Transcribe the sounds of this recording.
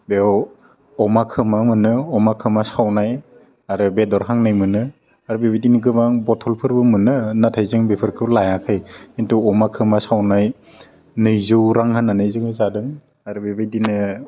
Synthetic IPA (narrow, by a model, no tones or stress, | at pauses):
bew | ɔmakʰɯmamɯnɯɔmakʰɯmasawnaj | aɾɯbedɔɾɦaŋnɯjmɯnɯ | aɾubibajdinɯɡɯmaŋbɔtʰɔlpʰɯɾbɯmɯnɯnatʰajzɯŋbipʰɯɾkʰɯwlajakʰɯjintuɔmakʰɯmasawnaj | nɯjzɯwɾaŋhanːanɯjzɯŋhɯjzadɯŋ | aɾɯbibajdinɯ